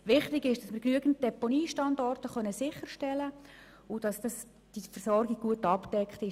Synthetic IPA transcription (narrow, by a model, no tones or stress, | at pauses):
ʋɪχtɪɡɪʃd̥ɑsmɪɾknyəɡən̩t̚d̥ɛponiːʃtɑndɔrtəχœnəsɪχːərʃtɛlə | ʊd̥ɑsd̥ɑs | d̥ifərsɔrɡɪɡ̚ɡ̥uətɑpd̥ɛkχtɪʃ